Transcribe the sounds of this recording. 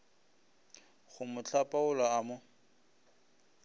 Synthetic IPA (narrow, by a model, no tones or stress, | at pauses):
χʊmʊt͡ɬʼapʼaʊlaːmʊ